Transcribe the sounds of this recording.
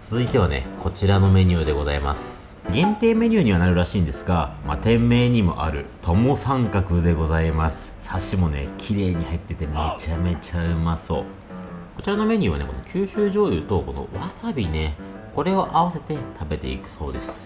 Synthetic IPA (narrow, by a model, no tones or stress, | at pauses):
t͡sɨzɨit̪e̞β̞ane̞̰kʰo̞t͡ɕiɾano̞me̞ɲ̟ɨːd̪e̞ɡo̞zaima̰sɨ̥ | ɡẽ̞nt̪e̞ːme̞ɲ̟ʲɨ̟ːɲ̟iβ̞anaɾɯ̟ɾaɕĩːnd̪e̞sɨ̥ɡamat̪ẽ̞mːe̞ːɲ̟imo̞̰ʔa̰ɾɯ̟̰t̪ʰo̞mo̞sãŋkakɯ̟d̪e̞ɡo̞zaimasɨ̥saɕimo̞ne̞̰kʲʰiɾe̞ːɲ̟ihait̪ːe̞t̪e̞me̞t͡ɕame̞t͡ɕaɯ̟maso̞̰ː | ko̞t͡ɕiɾano̞me̞ɲʲɨ̟ːβane̞ko̞no̞kʲʰɨːɕɨːʑo̞ːjɯ̟t̪o̞ko̞no̞̰βasabʲine̞ | ko̞ɾe̞o̞ʔaβase̞t̪e̞t̪ʰabe̞t̪e̞̰ḭkɯ̟̥so̞ːd̪e̞sɨ̥